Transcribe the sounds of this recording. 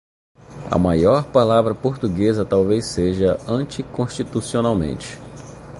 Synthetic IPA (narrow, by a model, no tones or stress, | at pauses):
ɐ̰majɔɾpalavɾɐpoɾt̪uɡezɐt̪awvejseʒɐɐ̃t͡ʃikõʃt͡ʃit̪usionawmḛ̃nt͡ʃɪ̥